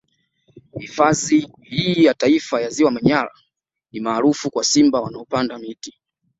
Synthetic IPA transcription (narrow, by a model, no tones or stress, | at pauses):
hifazi | hiːjataifajaziwamaɲala̰ | nimaːlufukwasimbawanaɔpandamiti